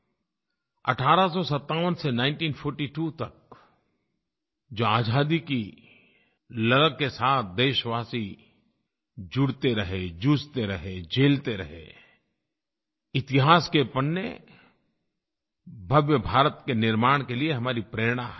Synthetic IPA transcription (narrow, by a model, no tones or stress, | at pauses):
ɐ̰ʈʰaːɾasɔsɐt̪ːaːʋənsenãːɪ̃nʈiːnpʰɔːɾʈiʈuːt̪ɐk̚ | d͡ʒoːaːd͡ʒʱaːd̪iki | lɐləɡ̚kesaːt̪ʰd̪eːʃʋaːsi | d͡ʒʊɽt̪eɾɐɦed͡ʒuːst̪eɾɐɦed͡ʒeːlt̪eɾɐɦḛ | ɪt̪ɪɦaːskepənːḛ | bʱɐʋjəbʱaːɾət̪kenɪɾmaːɽ̃kelieɦɐmaːɾipɾeːɽ̃aɦ